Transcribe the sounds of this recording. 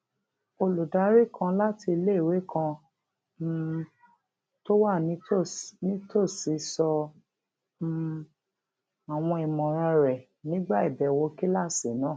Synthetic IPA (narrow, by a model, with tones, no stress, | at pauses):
o˧lu˨da˨˦ɾi˦kʰã˧la˦ti˧i˧le˦˨we˨˦kã˧˦ | to˦wa˦˨ni˦o˦˨nĩ˦to˦˨si˨˧sɔ˧˦ | a˨w̃ɔ̃˧i˨mɔ̃˨ɾ̃ã˧ɾɛ˨ | nĩ˨˦ɡ͡ba˦i˦˨bɛ˨˦˨wo˧˦ki˦la˦˨se˨˦nãː˦˨